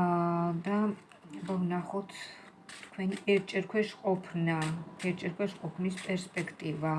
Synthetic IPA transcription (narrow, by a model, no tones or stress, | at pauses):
d̪a | bavnaχɔt̪ʰ | t̪kʰwɛniɛɾt͡ʃʼɛɾkʰwɛʃqʼɔpʰnaɛɾt͡ʃʼɛɾkʰwɛʃqʼɔpʰnispʼɛɾspʼɛkʰt̪ʼiva